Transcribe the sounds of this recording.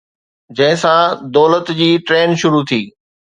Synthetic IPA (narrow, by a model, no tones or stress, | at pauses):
d͡ʑɐ̃ɦɪ̃sãd̪ɔːlət̪d͡ʑiːʈɾeːnʃʊɾut̪ʰiː